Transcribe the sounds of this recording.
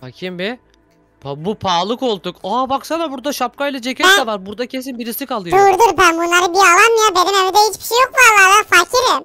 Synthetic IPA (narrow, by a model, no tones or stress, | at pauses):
facʰimbɛ | pʰabupʰaːlˠɯko̞lˠd̪ukabaksad̪abuɾd̪aʃap̚kajlʲˠad͡ʒe̞cʰɛt̪dd̪ɛvaɾbuɾd̪acʰe̞s̬inbiɾisikalˠɯjd̪oɾud̪ɯɾbænbunlˠaɾɯbialˠanmijabeɾinevid̪ɛɦit͡ʃbi̥ʃejokvaɾlˠaɾvafacʰiɾim